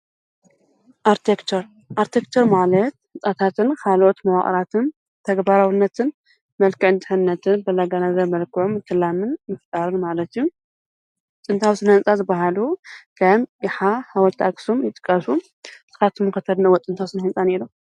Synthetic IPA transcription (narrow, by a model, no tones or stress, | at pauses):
ʔaɾt̪ʰekt͡ʃ̪ʰoɾ | ʔaɾt̪ʰekt͡ʃ̪ʰoɾmalɐt̪ɨt͡sʼat̪ʰat̪ʰɨnkʰalʔot̪mɐwaχʼɾat̪ʰɨn | t̪ʰɐɡbaɾawinːɐt̪ʰɨn | mɐlkɨʕɨnt̪ʰʼɨħɨnːɐt̪ʰɨnbɐlaɡanazɐɾmɐlkʰɨʕumɨt̪ʰːɨlamɨnmɨft̪ʼaɾɨnmalɐt̪jːu | t̪ʼɨnt̪ʰawsɨnɐhnt͡sʼazɨbːaɦalukʰɐjmjɪħahawɔlt̪ʰaɡsumjɪt̪ʼɨ̥kʼːɐsu | sɨ̥xat̪ʰɨmːɨkɐt̪ʰɐd̪nɐwɔt̪ʼɨnt̪ʰawsɨnɐhɨnsʼaneɾu